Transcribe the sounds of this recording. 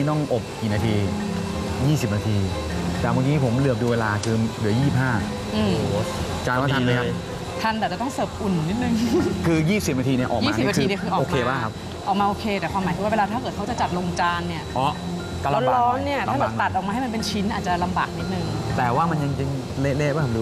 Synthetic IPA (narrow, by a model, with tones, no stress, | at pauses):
t̪ɔ˥˩ŋʔo˨˩p̚kiː˨˩naː˧t̪ʰiː˧ | jiː˥˩si˨˩p̚naː˧t̪ʰiː˧ | t̪ɛː˨˩wa˧niː˦˥pʰo˩˦mlɯ˨˩əp̚duː˧weː˧laː˧kʰɯː˧lɯ˩˦jiː˥˩si˨p̚haː˥˩ | ʔɯː˧ | t͡ɕaː˧nwaː˥˩a˧mːa˦˥ka˥ | t̪ʰa˧nɛː˨˩t͡ɕa˨˩t̪ɔ˥ŋsɤː˨˩p̚ʔu˨˩nːi˦˥t̪̚nɯ˨˩ŋkʰɯː˧jiː˥˩si˨˩p̚naː˧t̪iː˧ni˥˩ɐʔɔː˨˩kːmaː˩˧s̚kʰːiː˧ni˥˩˨kɯː˧ʔɔ˨ʔoː˧kʰeː˧baː˥˩ŋkʰa˦˥p̚ | ʔɔː˨˩maː˧ʔoː˧kʰeː˧t̪ɛː˨˩kʰwaː˧mːaː˨˩˦k̪ʰɯ˧wa˥˩we˧laː˧t̪ʰaː˥˩kɤː˨˩t̪̚ʰa˦˥wt͡ɕa˨˩t͡ɕa˨˩t̪̚lo˧ŋt͡ɕaː˧nːi˥˩ɐʔɔː˦˥˩ | a˧˥lɔː˦˥ŋni˥˩ɐt̪ʰaː˥˩bɛː˨˩t̪a˨˩t̪̚ʔɔː˨˩maː˧ɦjma˧npe˧nt͡ɕʰi˦˥nʔaː˨˩t̪̚t͡ɕa˨˩la˧mba̰ː˨˩k̚ni˦t̪̚nɯ˨˧ŋt̪ɛː˨˩waː˥˩ma˧nja˧ŋt͡ɕa˧ŋ | le˦˥leː˥˩ba˥˩kʰa˥˩du˧